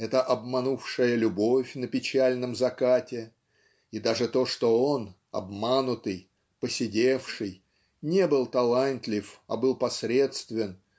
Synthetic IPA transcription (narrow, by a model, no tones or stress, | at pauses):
ɛt̪əʔɐbmɐnufʂɨjəlʲʊbo̞fʲnəpʲɪt͡ɕælʲnəmzɐkatʲɪ | id̪aʐɨt̪o̞ʂt̪o̞o̞n | ɐ̰bmanʊt̪ɨj | pəsʲɪdʲefʂɨj | nʲe̞bɨlˠt̪ɐlˠanʲt̪ʲlʲɪfɐ̰bɨlˠpɐsɾʲe̞t̪st̪vʲɪn